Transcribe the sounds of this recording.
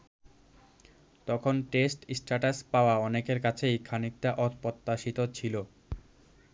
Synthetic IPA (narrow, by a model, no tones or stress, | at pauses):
t̪ɔkʰonʈesʈsʈaʈaspaoaɔnekeɾkat͡ɕʰejkʰanik̚t̪aʔɔt̪pɔt̪ːaʃit̪ot͡ɕʰilo